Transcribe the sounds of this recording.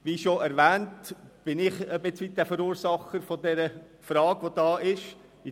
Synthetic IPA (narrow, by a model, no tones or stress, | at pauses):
ʋiʃoɛɾʋɛːntb̥ɪnɪχəbɪt͡sʋid̥æfəɾuːɾsɑχəɾfodɛɾə | fɾɑːɡ̥ʋodɑːɪʃ | i